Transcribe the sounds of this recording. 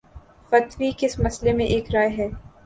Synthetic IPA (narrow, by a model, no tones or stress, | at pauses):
fɐt̪wikɪsmɐslemẽʔeːkɾaːjɦɛː